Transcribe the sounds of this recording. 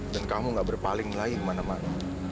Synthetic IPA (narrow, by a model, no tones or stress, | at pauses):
dankamuŋɡaʔbərpalɪŋlaimanamana